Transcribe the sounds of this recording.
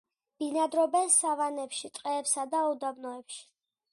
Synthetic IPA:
b̥inad̪ɾɔbɛnsavanɛpʃit̪ʼqʼɛːpsad̪aud̪abnɔɛpʃi̥

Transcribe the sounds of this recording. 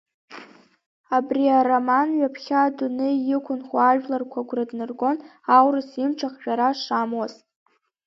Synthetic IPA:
abriaromanɥapʰχʲadunɨjɪkʷʰʊnχʷaaʒᶣlarkʷʰaɡʷradnɨrɡo̞n | awrɨsimʈ͡ʂʰaχʒᶣaɾaʂamwazʼ

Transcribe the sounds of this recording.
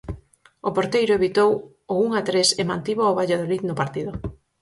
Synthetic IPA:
ʊpoɾt̪ejɾʊeβit̪ow | ʊuŋat̪ɾesɪmant̪iβooβaʎaðoliðnʊpaɾt̪iðʊ

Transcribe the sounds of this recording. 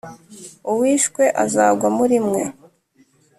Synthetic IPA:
uwiːʃkwe̞ʔazaːɡwamuɾimŋe̞

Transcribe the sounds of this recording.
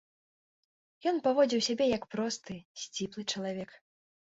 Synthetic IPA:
jɔnpavɔd͡zʲiwsʲabʲɛjɐkpɾɔst̪ɨsʲt͡sʲiplˠɨt͡ʂɐlˠavʲɛk

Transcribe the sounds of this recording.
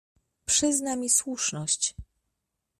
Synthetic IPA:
pʂɘznamʲiswuʂnɔɕt͡ɕ

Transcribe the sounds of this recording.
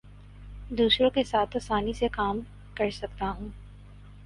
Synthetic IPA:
d̪uːsɾõkesaːt̪ʰɐsaːnisekaːm | kɐɾsɐkt̪aɦũː

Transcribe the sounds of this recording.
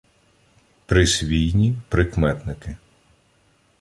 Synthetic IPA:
pɾɪsʲʋʲijnʲipɾɪkmɛt̪nɪkɪ

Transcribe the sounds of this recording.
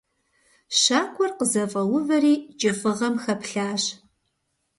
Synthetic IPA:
ɕaːkʷʰʼɔrqəzɐfʼɐwʊvɐriːt͡ʃʼɪfʼɨʁɐmxɐpɬaːɕ

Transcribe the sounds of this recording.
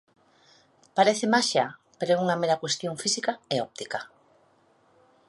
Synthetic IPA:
paɾeθemaʃapeɾoɛuŋameɾakwest̪joɱfisikaeɔp̚t̪ika

